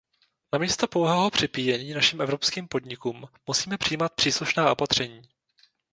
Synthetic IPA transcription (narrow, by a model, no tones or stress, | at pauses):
namiːst̪opowɦɛːɦopr̝̥ɪpiːjɛɲiːnaʃɪmʔɛvɾo̞pskiːmpo̞dɲɪkumːusiːmɛpr̥ɪijiːmat̪̚pr̥iːsluʃnaːʔo̞pat̪r̝̥ɛɲiː